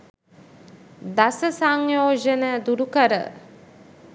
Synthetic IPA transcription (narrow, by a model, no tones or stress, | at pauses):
d̪asəsaŋjoːʒənəd̪uɾukəɾə̰